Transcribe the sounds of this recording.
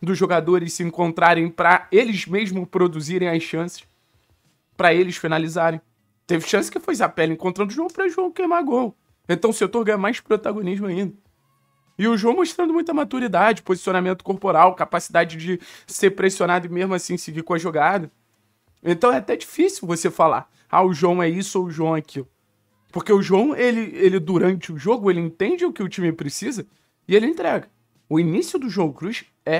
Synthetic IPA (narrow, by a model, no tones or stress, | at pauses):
d̪ʊzːoɡad̪oɾɪssɪĩŋkõnt̪ɾaɾẽj̃pɾɐelɪzmeʒmʊpɾod̪uziɾẽj̃ɐsɐ̃sɪ̥ʃ | pɾɐelɪsfinalizaɾẽj̃ | t̪evɪʃɐ̃sɪ̥kɪfojz̬apɛlɪẽŋkõnt̪ɾɐ̃nd̪ʊʒoɡʊpɾɐʒuɐ̃w̃kejmaɡow | ẽnt̪ɐ̃w̃ʊset̪oɾɡɐ̃j̃ɐmajspɾot̪aɡoniʒmʊaĩnd̪ɐ | ɪʊʒuɐ̃w̃moʃt̪ɾɐ̃nd̪ʊmũj̃t̪ɐmat̪uɾid̪ad͡ʒɪpozisionamẽnt̪ʊ̥koɾpoɾawkapasid̪ad͡ʒɪd͡ʒɪseɾpɾesionad̪ʊɪmeʒmʊasĩsɪɡikõɐʒoɡad̪ɐ | ẽnt̪ɐ̃w̃ɛat̪ɛd͡ʒifisiwvosefala̰ | a̰ʊʒwɐ̃w̃ɛisʊʊʒuɐ̃w̃akʰilʊ | poχkeʊʒuɐ̃w̃elɪelɪd̪uɾɐ̃nt͡ʃɪʊʒoɡʊelɪẽt̪ẽd͡ʒɪʊkɪʊt͡ʃĩmɪpɾɪsizɐ | ɪelɪẽnt̪ɾɛɡɐ | ʊinisiʊd̪ʊʒuɐ̃w̃kɾuʃ | ɛ